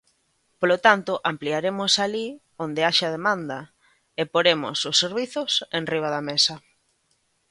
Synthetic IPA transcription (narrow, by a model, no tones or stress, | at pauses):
polot̪ant̪ʊʔampliaɾemʊsali | ond̪eaʃaað̞emãnd̪ɐ | epoɾemʊ̰sʊsːeɾβiθʊsẽnriβ̞aðamesɐ